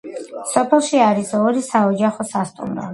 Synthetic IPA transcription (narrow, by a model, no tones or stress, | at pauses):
sɔpʰɛlˠʃiaɾisɔɾisaɔd͡ʒaχɔsast̪ʼṵmɾɔ̰